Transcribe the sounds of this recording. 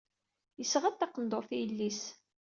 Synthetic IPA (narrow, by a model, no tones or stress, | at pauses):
jəsʁət̪ːɑqənd̪oθijəlːis